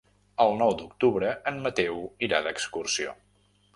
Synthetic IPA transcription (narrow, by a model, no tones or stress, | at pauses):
əlˠnɔwd̪uk̚t̪uβɾəənmət̪ɛwiɾaðəkskursio̰